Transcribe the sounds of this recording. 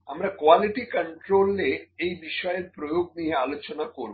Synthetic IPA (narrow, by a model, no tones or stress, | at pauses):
amɾakʋaliʈikəɳʈɾolːeːjbiʃɔjeɾpɾojoɡ̚niɦealot͡ɕonakoɾu